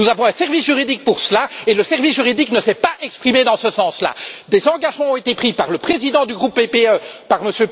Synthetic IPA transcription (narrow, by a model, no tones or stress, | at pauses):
nuzavɔ̃ɛ̃sɛʁvisʒyʁid̪ik̚puʁsəlaeləsɛʁvisʒyʁid̪iknəsɛpaʔɛkspχimed̪ɑ̃səsɑ̃sla̰d̪ezɑ̃ɡaʒmɑ̃ɔ̃et̪epχipaʁləpχezid̪ɑ̃d̪yɡʁupːepeøpaʁməsjø